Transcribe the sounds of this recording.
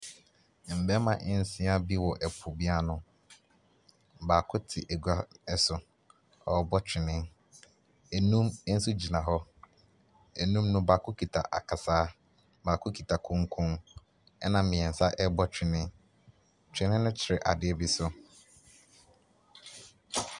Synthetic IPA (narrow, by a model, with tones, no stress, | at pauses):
m̩˨bɛ˦mã˨ʔɛ˨n̩˨˦sĩ˦a˦bi˦wɔ˨ʔɛ˨pʰʊ˨bi˦a˦nʊ̃˦ | baː˨kʰʊ˦tʰɪ˨ʔɛ˨ɡa˨ɛ˦sʊ˨ | ɔ˨bɔ˦t͡ɕᶣɪ˨nɪ̃˦ | ɛ˨nũ˦m˦n̩˦su˦d͡ʑi˨nã˨ɦɔ˦ | ɛ˨nũ˦mnʊ̃˦baː˨kʰʊ˦kʰi˨tʰa̰˨ʔa̰˨kʰa˨saː˦ | baː˨kʰʊ˦kʰi˨tʰa˨kʰʊ̃˦ŋkʰʊ̃˦ŋ | ɛ˦nã˨mɪ̃˨ɛ̃˨n̩˨sa˦ʔɛ˦bɔ˦t͡ɕᶣɪ˨nɪ̃˦ | t͡ɕʰᶣɪ̃˨nɪ̃˦nʊ̃˦t͡ɕʰɪ˨ɾɪ˨ʔa̰˨dɪ˦ɛ˦bi˦sʊ˦